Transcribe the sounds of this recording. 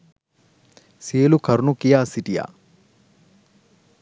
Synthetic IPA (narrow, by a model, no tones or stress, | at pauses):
siːlukʰɐɾunukijaːsiʈija̰